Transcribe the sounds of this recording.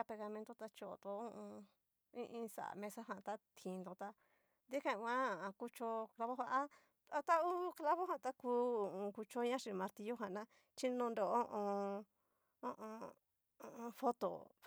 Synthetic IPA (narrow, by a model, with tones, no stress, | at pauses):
a˧pe˧ɣa˧mẽ˧t̪o˦t̪a˧t͡ʃo˧o̰˨d̪o˧˦õ˦ʔõ˧ | ĩ˦ʔĩ˧sa̰˨mẽ˧sa˦ɦã˧˨t̪a˦t̪ʰĩ˨˧nd̪o˧t̪a˧ | d̪i˦kã˦˧ã˦˨˧ku˧t͡ʃo˧kla˧βo˦hʷa˧ʔa˦ | a˧t̪a˦u˦kla˦βo˦ɦã˨˧˨t̪a˦kuː˦˨õ˧ku˧t͡ʃo˦ɲã˦ʃi˧mã˧ɾt̪i˧jo˦ɦã˨nã˦ | t͡ʃi˦nõ˧nd̪o˨˦ʔõ˧ | õ˦ʔõ˧ | õ˧fo˦t̪o̰˨